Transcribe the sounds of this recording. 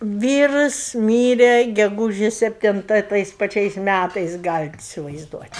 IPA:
ˈʋʲiːrʊs ˈmʲiːrʲɛ ɡʲɛˈɡuːʒʲeːs sʲɛpʲˈtʲɪntɐ ɪ ˈtɐɪs pɐˈt͡ʃʲɛɪs ˈmʲætɐɪs ˈɡɑːlʲɪt ɪsʲɪʋɐɪzˈduɔtʲ

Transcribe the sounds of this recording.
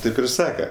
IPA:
ˈtɐɪp ɪr ˈsɑːkɐ

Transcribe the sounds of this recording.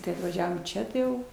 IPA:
tɐɪ ɐtʋɐˈʒʲæːʋoːm ˈt͡ʃʲɛ tɐɪ ˈjɛʊ

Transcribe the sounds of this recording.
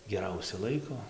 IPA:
ɡʲɛˈrɐʊsʲɛ ˈlˠɐɪkoː

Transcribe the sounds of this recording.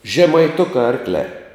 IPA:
ʒʲɛmɐɪˈtʊkɑː ˈɐrklʲæː

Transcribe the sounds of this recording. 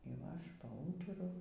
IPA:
iː ˈʋɐ ˈɐʃ pɐˈuːtʊrʊ

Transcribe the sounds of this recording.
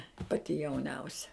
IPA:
ˈpɑːtʲɪ jɛʊˈnʲɛʊsʲɛ

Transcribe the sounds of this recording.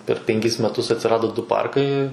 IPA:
pʲɛr pʲɛŋʲˈkʲɪs mʲɛˈtʊs ɐtʲsʲɪˈrɑːdoː ˈdʊ ˈpɐrkɐɪ

